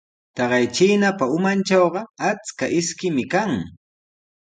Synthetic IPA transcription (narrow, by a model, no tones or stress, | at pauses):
t̪ɑɢɑjt͡ʃiːnapaʊmant͡ʃɑwɢɑat͡skaʔɪskɪmɪkaŋ